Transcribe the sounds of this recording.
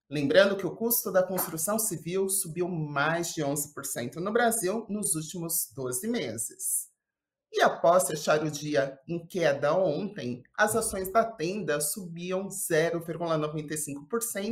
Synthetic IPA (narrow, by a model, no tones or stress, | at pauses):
lẽmbɾɐ̃nd̪ʊkɪʊkust̪ʊd̪ɐkõst̪ɾusɐ̃w̃siviwsubiwmajzd͡ʒɪõzɪpoɾsḛ̃nt̪ʊnʊbɾaziwnʊzuwt͡ʃimʊzd̪ozɪmezɪs | ɪapɔsfeʃaɾʊd͡ʒiɐẽkɛd̪ɐõnt̪ẽj̃ɐzasõj̃zd̪ɐt̪ẽnd̪ɐsubiɐ̃w̃z̥ɛɾʊviɾɡulɐnovẽnt̪ejsĩŋkʊ̥poɾsẽnʊ